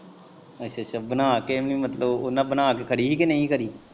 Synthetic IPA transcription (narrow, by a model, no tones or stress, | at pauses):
ətːʃʰaːt͡ʃʰabənaːkemnĩːmət̪ləbonãːbənaːkekʰəɽiːɦiːkenəĩkəɾiː